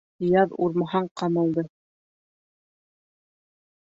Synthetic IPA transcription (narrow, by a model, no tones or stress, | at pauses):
jɑðuɾmɑɦɑɴqɑmɤ̆lˠd̪ɤ